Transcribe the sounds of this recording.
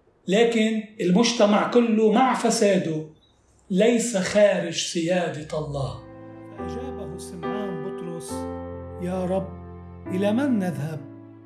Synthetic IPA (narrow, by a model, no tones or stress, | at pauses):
laːkɪnɪlmʊʒt̪amaʕkʊlːʊmaʕfasaːd̪ʊ | lajsaxaːɾɪd͡ʒsɪjaːd̪ɪɑlˤːɑːhaʔad͡ʒaːbabʊsɪmːaːnbʊt̪ɾʊsjaːɾˤɑbː | ʔɪlamanːaðhab̚